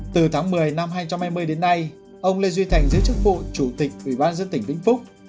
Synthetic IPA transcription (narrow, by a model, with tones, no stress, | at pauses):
t̪ɨ˨˩t̪ʰaː˨˦ŋmɨ˨˩əjna˧mɦaː˧jt͡ɕa˧wŋ͡mhaː˧jmɨ˧əjɗe˨˦nːa˧j | ʔə˧wŋ͡mle˧zwi˧t̪ʰa˨˩jŋ̟zə̰˧˦t͡ɕɨ˦˥k̚vṵ˧˨t͡ɕu˧˩t̪ï˨˩k̟̚ʔwi˧˩ɓaː˧nzə˧ənt̪ï˧˩ŋ̟ɗ̪ḭ˧˥ŋ̟fʊ˦˥k͡p̚